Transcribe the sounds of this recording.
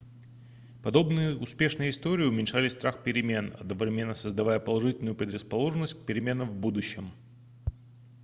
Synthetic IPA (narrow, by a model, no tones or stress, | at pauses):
pɐd̪o̞bnɨjəʔʊspʲe̞ʂnɨjəɪst̪o̞ɾʲɪːʊmʲɪnʲʂalʲɪst̪ɾaxpʲɪɾʲɪmʲe̞nɐ̰d̪̚nəvɾʲɪmʲe̞nːəsəzd̪ɐvajəpəlˠɐʐɨtʲɪlʲnʊjʊpɾʲɪd̪ɾəspɐlˠo̞ʐɨnːəsʲtʲk̚pʲɪɾʲɪmʲe̞nəmvbud̪ʊɕːɪm